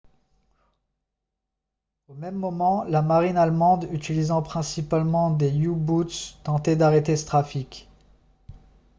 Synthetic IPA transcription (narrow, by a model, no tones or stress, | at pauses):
omɛmːɔmɑ̃lamaʁinalmɑ̃d̪yt̪ilizɑ̃pχɛ̃sipalmɑ̃d̪ejubut̪st̪ɑ̃t̪ed̪aʁet̪esə̥t̪χafikʲ